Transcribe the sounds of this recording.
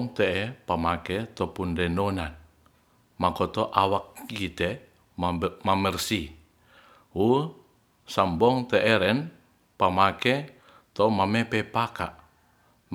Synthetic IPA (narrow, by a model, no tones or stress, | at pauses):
ŋt̪ɛʔɛpamakɛt̪ɔpundɛnonan | makɔt̪ɔʔawak̚kit̪ɛ | mamərsi | wu | sambɔŋt̪ɛʔɛɾɛn | pamakɛ | t̪ɔmamepɛpaka̰ʔ | m